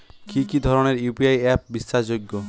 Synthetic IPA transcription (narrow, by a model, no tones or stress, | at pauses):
kikid̪ʱɔɾoneɾjupiajɛp̚biʃːad͡ʑoɡːo